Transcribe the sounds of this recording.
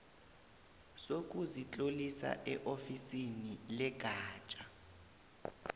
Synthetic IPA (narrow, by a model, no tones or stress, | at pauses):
sok̬ʼuzit͡ɬʼolisa̰ʔɛʔofisinilɛɡ̥ʱaːt͡ʃʼa